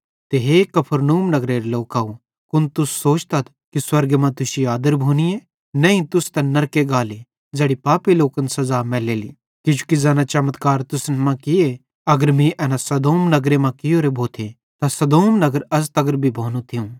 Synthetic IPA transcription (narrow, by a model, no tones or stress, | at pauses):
t̪eɦeːkɐpʰəɾnuːmnɐɡɾeːɾeloːkau | kʊnt̪ʊsːoːt͡ʃt̪ɐt̪̚ʰkiswɐɾɡemãt̪ʊsiaːd̪əɾbʱoːnije | nɛ̃ĩt̪ʊst̪ɐnɐɾkeɡaːle | d͡zɛːɽipaːpiloːkənsɐzaːmɛːleːlḭ | kɪd͡ʒukizɛːnãt͡ʃɐmət̪kaːɾt̪ʊsnmãkɪe | ɐɡəɾmĩʔɛːnãsɐd̪oːmnɐɡɾemãkɪjoːɾebʱoːt̪ʰe | t̪ãsɐd̪oːmnɐɡəɾɐst̪ɐɡəɾbʱibʱoːnũt̪ʰɪũ